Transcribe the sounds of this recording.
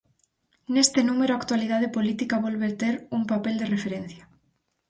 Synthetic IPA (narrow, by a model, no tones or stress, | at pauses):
nest̪enumeɾʊakt̪walið̞aðepolit̪ikaβolβeɾt̪eɾumpapeld̪erefeɾen̟θja